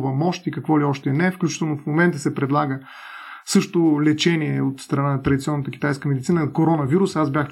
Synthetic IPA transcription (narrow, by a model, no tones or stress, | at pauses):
vəmɔʃt̪ikɐkvɔliɔʃt̪ɛnɛfklʲut͡ʃi̥t̪ɛlˠnofmomɛnt̪əsɛpɾɛd̪lˠaɡə | sɤʃt̪ʊlɛt͡ʃɛniɛot̪st̪ɾɐnanɐt̪ɾɐd̪it̪siɔnːət̪əkʲi̥t̪ajskəmɛd̪it̪sinəkoɾɔnəviɾusazbʲjax